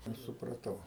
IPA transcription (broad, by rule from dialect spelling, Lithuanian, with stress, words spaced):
ˈɐʃ sʊprɐˈtɐʊ